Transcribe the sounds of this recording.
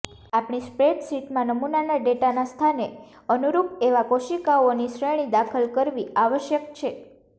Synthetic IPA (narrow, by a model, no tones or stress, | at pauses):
apɳ̃ispɾeʈsiʈmãnəmunanaɖeʈanast̪ʰane | ənuɾupeʋakoʃikaoniʃɾeɽ̃id̪akʰəlkəɾʋiaʋəʃjəkt͡ʃʰe